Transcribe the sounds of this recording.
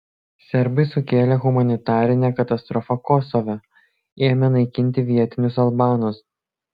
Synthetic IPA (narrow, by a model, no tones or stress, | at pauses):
sʲɛɾbɐɪsʊkʲeːlʲɛɣʊmɐnʲɪt̪ɑːɾʲɪnʲɛkɐt̪ɐst̪ɾɔfɐkɔsɔʋʲɛ | eːmʲɛnɐɪkʲɪnʲt̪ʲɪʋʲiɛt̪ʲɪnʲʊs̬ɐlˠbɑːnʊs